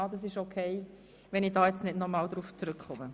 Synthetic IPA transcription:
ɑd̪ɑs̬ɪʃokʰɛɪ | ʋɛnidɑːjɛt͡snɪdnɔmɑːld̪ɾuːft͡sɾʏkχʊmə

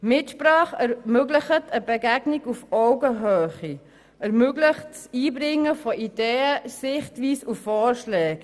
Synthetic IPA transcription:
mɪtʃprɑːχɛɾmøɡləχətʰəbɛɡæɡnɪɡufɔʊɡəɦøːχi | ɛɾmøɡləχtsiːbɾɪŋːəfɔʔideːəsɪχtʋiːsufːɔːɾʃlɛːk

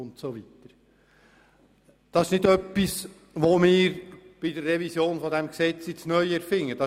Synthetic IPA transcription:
ʊntsovit̪əɾ | d̥ɑsɪʃnɪdœpːis | ʋomɪːɾb̥idərːɛvisjoːnfɔdɛmksɛt͡sɪtsnœʏəɾfɪŋːəd̥ɑ

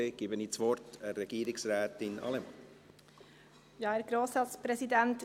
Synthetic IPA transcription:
eːɡ̥iːbəniːt͡sʋɔɾtɛrɛɡ̥iːɾɪksɾɛːtɪnʔɑ̰ləm | jɑːæɾɡɾoːsɑt̪spʰɾɛsɪd̪ɛnt̪

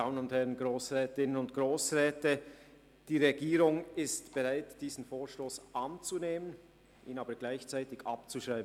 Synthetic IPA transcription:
daʊənʊnthɛʁənɡʁoːsʁɛːtɪnənʊntɡ̥ʁoːsʁɛːtə | d̥iːʁɛɡiːʁʊŋɪstb̥ɛʁaɪtd̥iːzn̩foːɐʃtoːsʔant͡suneːmən | ʔiːnaːbəɡlaɪçt͡saɪtɪçʔa̰p̚t͡suʃʁaɪb

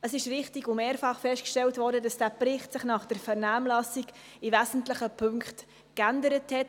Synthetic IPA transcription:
əsɪʃɾɪχtiɡʊmeːɾfɑχfɛʃtkʃtɛltvʋɔːɾdədɑsd̥æːprɪχtsɪχnɑχd̥əɾfɛɾnaːmlɑsiɡ | ɪvæzn̩tlɪχəpʰʏŋkχt | kændəɾəthɛt

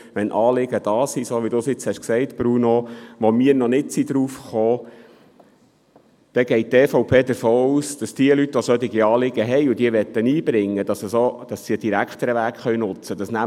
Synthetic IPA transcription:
ʋɛnʔɑːlɪɡəd̥ɑːsisoʋid̥usɪt͡shɛʃksɛɪt̪b̥ɾunoʋomiəɾnɔnɪtsid̪ɾuːfχoː | d̪̥ɛɡɛɪt̚tɛːfɔʊpʰeːd̪əɾfoːuːsd̥ɑsd̥iəlytʋosœt̪ɪɡiɑːlɪɡ̥əɦɛjʊd̥̪iəʋɛt̪ːəniːbɾɪŋːəd̥̪ɑsəsod̥ɑsːiəd̥iɾækχt̪əɾəʋæːkχœʏnʊt͡səd̥̪ɑsnæ

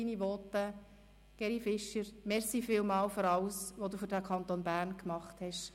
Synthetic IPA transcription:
inivɔtːə | ɡ̥ɛɾifɪʃəɾmɛɾsiːfɪːlmɑːlføɾɑwsʋoduːfʏɾdækʰɑnt̪onbæːɾnkmɑχthɛʃ

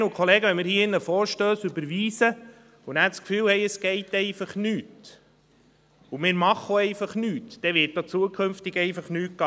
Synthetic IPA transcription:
nʊkʰχɔleːɡəʋɛnmɪːɾhiəɪnːəfɔːɾʃtøːsʏbəɾʋiːsə | unæːtskfyːlhɛjəsɡ̥ɛɪtɛɪfɑχnyːt | umɪːɾmɑχoɛɪfɑχnyːtd̥ɛʋɪt̚doːt͡suəkʰχømftɪɡɛɪfɑχnyːt̚ɡ̥ɑ

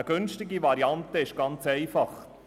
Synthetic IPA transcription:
əɡ̥ʏnstɪɡiʋɑɾiɑntəɪʃɡ̥ɑnt͡sɛɪfɑχ

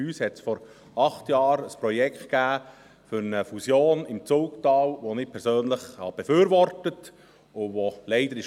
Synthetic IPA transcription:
yːshɛtsfɔɾ | ɑχtjɑːɾəspɾɔjɛkχt̚kæː | fʏɾnəfusjoːnɪmt͡suːktɑːlʋonɪːpʰɛɾsøːnləχhɑ̰b̥ɛfyːɾʋɔɾtət | ʊʋolɛɪdəɾɪʃ

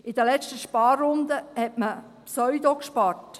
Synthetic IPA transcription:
ɪd̪əlɛt͡ʃtəʃpɑːrːʊnd̪əhɛtmə | psœʏd̪okʃpɑːɾt

